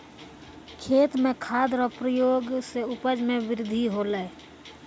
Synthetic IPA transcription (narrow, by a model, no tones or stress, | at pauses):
kʰeːt̪mẽkʰaːd̪ɾɔpɾəjoːɡseʊpəd͡ʒmẽʋɪɾɪd̪ʱiɦoːleː